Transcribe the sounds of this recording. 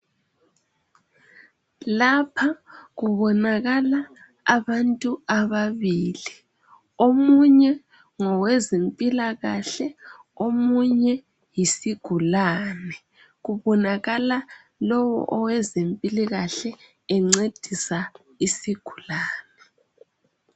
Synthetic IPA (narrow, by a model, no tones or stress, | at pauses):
lapʰaɣuβɔnaɣalaː | βantʼuaβaβiːli | omuɲɛ | ŋɔwɛzempʼilaɣaɬɛ | omuɲɛ | jisiɡ̥ʱulanɛ | ɣuβɔnaɣala | lɔwɔ̰ʔɔwɛzempʼiliɣaɬɛ | ɛŋ͡ǀed̥ʱisa | isiɡ̥ʱulaːnɛ